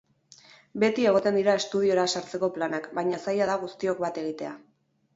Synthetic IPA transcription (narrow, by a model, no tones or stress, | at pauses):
be̞t̪ie̞ɣo̞t̪e̞nd̪iɾae̞st̪uð̞io̞ɾasaɾt͡se̞ko̞planakbajɲasajaðaɣust̪io̞k̚bat̪e̞ɣ̞it̪e̞a